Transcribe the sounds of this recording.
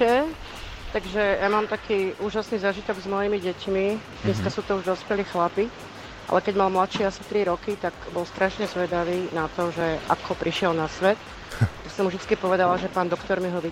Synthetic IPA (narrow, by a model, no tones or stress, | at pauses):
ɛ | t̪aɡʒɛjamaːmt̪akʰiːʔuːʒasnizaːʒit̪ɔɡzmɔjimiɟɛcmid̪̥ɲɛskasuːt̪ɔuʒd̪ɔspɛliːxlapi | ʔa̰lɛkɛɟmalmlat̪ʃiasi̥t̪ɾiɾɔkit̪aɡbɔlst̪ɾaʃɲɛzʋɛd̪aʋiːnat̪ɔʒɛʔa̰kʰɔpɾiʃɪɛlnasʋɛt̪ | t̪aksɔmuvʒd̪it͡skipɔʋɛd̪alaʒɛpaːnd̪ɔkt̪ɔɾmiɦɔʋi